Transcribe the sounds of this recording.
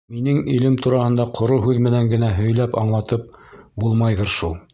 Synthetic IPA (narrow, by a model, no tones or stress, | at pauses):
minɘŋilɘmt̪uɾɑhɤ̆nd̪ɑqʰŏɾoɦʉðmɘ̆næŋɡɘ̆næɦɵ̆jlæpɑ̰ɴlˠɑt̪ɤp̚bulˠmɑjðɤ̆ɾʃulˠ